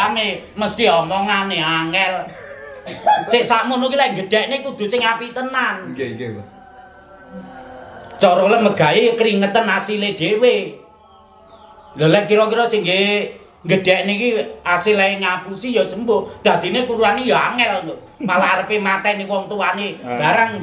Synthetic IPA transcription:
ame | məst̪iɔmɔŋaneaŋɛl | seʔsamʊnukilaŋɡəd̥ɛ̤ʔnekud̪̥ṳsɪŋapit̪ənan | t͡ʃɔɾɔləməɡ̥a̤jejkəɾiŋət̪ənasiled̥ewe | lɔlɛkiɾɔk̬iɾɔsɪŋɡe | ŋɡəd̪̥ɛ̤ʔnekiasilaŋapusijɔsəmbod̪̥ä̤d̪̥i̤nekuɾuanejɔaŋɛl | malaːɾəpemat̪ɛnewɔŋt̪uaneb̥aɾaŋ

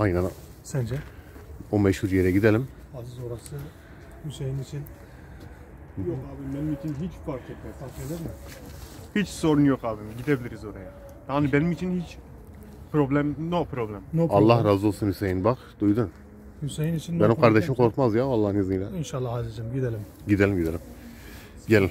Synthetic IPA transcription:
ajnænsænd͡ʒɛ | ombɛʃhuɾjeɾɛɟid̪elʲim | azɯzoɾasɯ | hysejinit͡ʃʰin | jokaːbimbenimit͡ʃʰinɦit͡ʃfaɾkʰɛt̪mɛsaed̪iɾmɛ | hit͡ʃso̞ɾunjokaːbimɟid̪ebilʲiɾizo̞ɾaja | t̪ʰanɯbenimit͡ʃʰinhit͡ʃ | pɾoblʲɛmnopɾoblʲɛmnoalˠːahɾaːzo̞lˠsunhysejinbaqd̪̥ujd̪un | hysejinit͡ʃʰinːbeimkʰaɾd̪eʃimkʰo̞ɾkmazjavalˠːahneziilʲɛinʃalːˠahazɯd͡ʒɯmɟid̪elʲim | ɟid̪elʲimɟid̪elʲim | ɟelʲim

